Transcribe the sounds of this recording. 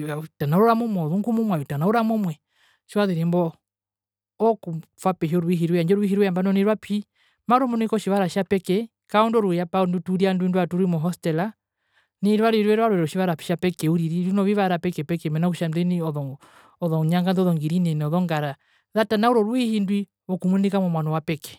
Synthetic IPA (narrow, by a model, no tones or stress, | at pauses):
atanauɾuɾamɔmwɔɔðuŋɡumumwajitanauɾamɔmwɛ | ʃiwaðiɾɛmbɔ | kufwapɛʃiɔɾuiɦiɾwɛaɲd͡ʒɔɾuwiɦiɾwɛambanɔniɾwapʰi | maɾɔmɔnɔikɔʃiβaɾaʃapɛkɛ | kaɔndɔɾujapaɔndutuɾiandwinduatuɾimɔɦɔstɛla | niɾwaɾwiɾwɛɾwaɾwɛɾɔʃiβaɾapi̥ʃapɛkɛuɾiɾiɾinɔβiβaɾapɛkɛpɛkɛmɛnakuʃamdɛniɔðɔ | ɔðɔɲaŋɡanðɔðɔŋɡiɾinɛnɛɔðɔŋɡaɾa | ðatanauɾɔɾwihindwi | ɔkumunikamɔmwanɔwapɛkɛ̥